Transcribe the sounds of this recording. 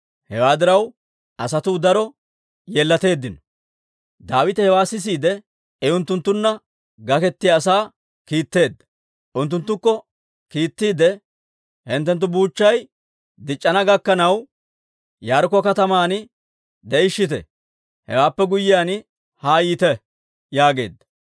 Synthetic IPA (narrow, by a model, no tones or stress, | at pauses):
hɛwaːd̪ɪɾɐw | ɐsɐt̪ʊd̪ɐɾɔ | jeːlːɐt̪e̞ːd̪ːɪnɔ | d̪aːwɪt̪ɛhɛwaːsɪs̬iːd̪ɛ | ɛʊnt̪ːʊnt̪ːʊnːɐ | ɡɐkɛt̪ːɪjaːsaː | kiːt̪ːe̞ːd̪ːɐ̥ | ʔʊnt̪ːʊnt̪ːʊkːɔ | kiːt̪ːiːd̪ɛ | hɪnt̪ːɛnt̪̬ːʊbuːt͡ʃːɐj | d̪ɪt͡ʃʼːɐnɐɡɐkːɐnɐw | jaːɾk̬ɔkɐt̪ɐmaːnɪ | d̪ɛɪʃːɪt̪ɛ̰ | hɛ̰waːpːɛɡʊjːɪjaːn | haːiːt̪ɛ | jaːɡe̞̰ːd̪ːɐ̥